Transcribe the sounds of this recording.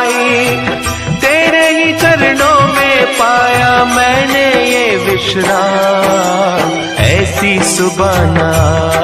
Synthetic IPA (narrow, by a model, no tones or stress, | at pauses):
i | t̪eːɾeɦĩt͡ʃɐɾnõːmẽpaːjamɛ̃ːnejeʋɪʃɾaː | ɛːsisʊbaːnaː